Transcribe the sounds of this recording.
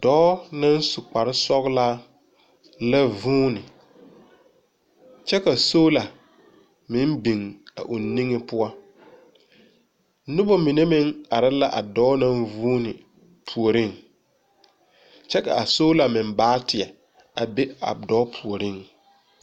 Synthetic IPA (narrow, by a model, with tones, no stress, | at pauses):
d̥ɔː˦na˦n˦su˨k͡pa˨ɾɪ˦sɔ˦ɣlaː˦ | la˦vuː˦nɪ˨ | t͡ʃɛ˦ka˨soː˦la˨ | mɪ˦m˦bi˨ŋa̰˨ʔu˨nːi˦ŋɪ˦pʊ˦a˦ | nʊ˦bo˦mi˨ne˦mɪ˦ŋa˨ɾɪ˦la˦ʔa̰˨dɔː˦na˦nvuː˦nɪ˨ | pʰu˨o˨ɾɪ˦˨ŋ | t͡ʃɛ˦ka̰˨a˨so˦la˨mɪ˨m˦baː˦tɪ˨ɛ˨ | a̰˨be˦a̰˨dɔː˦pʰu˨o˨ɾɪ˦˨ŋ